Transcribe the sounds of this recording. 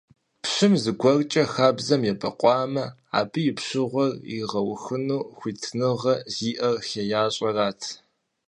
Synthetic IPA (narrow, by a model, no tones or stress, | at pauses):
pɕɨmzɨɡʷɔrt͡ʃʼɐxaːbzɐmjɛbɐqʷʼɑːmɐ | a̰ːbɨjɪpɕɨʁʷɔrḭʁɐwxɨnuːxʷiːtʰnɨʁɐziːʔɐrxejaːɕʼɐraːtʰ